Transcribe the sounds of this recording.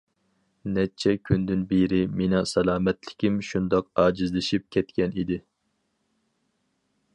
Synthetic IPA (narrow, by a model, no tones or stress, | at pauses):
nɛt͡ʃʰɛkʲʰynd̪ɪnbeɾɪmenɑsɛlˠɑːmɛt̪lɪ̥kʲimʃund̪ɑq̚ɑːd͡ʒizlɪʃip̚kʲʰɛt̪kʲɛnid̪ɪ